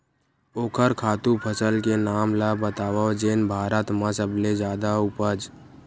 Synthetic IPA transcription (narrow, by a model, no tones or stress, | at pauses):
oːkʰəɾkʰaːt̪upʰəsəlkenaːmlabət̪aːwad͡ʒeːnbʱaːɾət̪mãsəbled͡ʒaːd̪aʊpəd͡ʒ